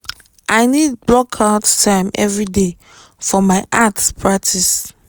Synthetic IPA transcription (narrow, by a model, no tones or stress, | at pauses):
ʔaɪnid̚blɔkʰattʰãɪ̃mɛ̰vɹide | fɔmaɪʔatspʰɹak̚tʰis